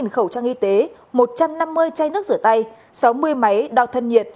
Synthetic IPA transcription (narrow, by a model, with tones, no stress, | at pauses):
nxə˧˩wt͡ɕaː˧ŋʔi˧t̪e˨˦ | mo˨˩t̚t͡ɕa˧mna˧mːɨ˧əjt͡ɕa˧jnɨ˦˥ək̚zɨ˧˩ət̪a˧j | sa˨˦wmɨ˧əjma˨˦jɗɔ˧wt̪ʰə˧nɲḭ˧˨ən̚